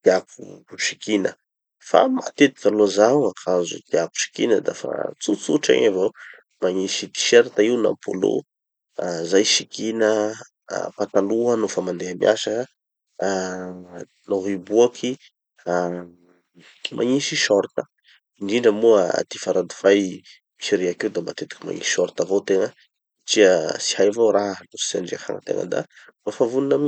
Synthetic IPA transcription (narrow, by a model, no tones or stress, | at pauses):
t̪iak̚ṵʃi̥kinə | fa̰ma̰t̪et̪i̥valoazawakʰazṵt̪iaku̥ʃi̥kinəd̪a̰fa̰t͡sut͡suʈ͡ʂa̰ɲavo | maɲiʃit̪i̥ʃeɾt̪aiwna̰mpʰo̰lo̰ | azajʃikinə̰ | pat̪aluənufamand̪eamiʔa̰sa | noɦibuakʰi | a | mʔa̰ɲiʃiʃɔɾt̪ə̥ | inɖ͡ʐiɳɖ͡ʐəmuəa̰t̪ifaɾad̪u̥faj | miʃiɾeakiwd̪ambat̪et̪u̥kʲi̥ma̰ɲḭsiʃɔɾt̪avowt̪eŋə | ʈ͡ʂiəsi̥hajvowɾaɦnusi̥saɳɖ͡ʐiafa̰ŋə̰t̪ḛŋə̰d̪a̰ | nafavuninəm